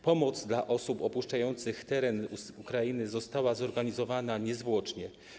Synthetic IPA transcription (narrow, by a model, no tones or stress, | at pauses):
pɔmɔd̪zd̪laʔɔsupɔpuʂt͡ʂajɔnt̪sɘxt̪ɛɾɛnuukɾajinɘzɔst̪awazɔɾɡaɲizɔvanaɲɛzvwɔt͡ʂɲɛ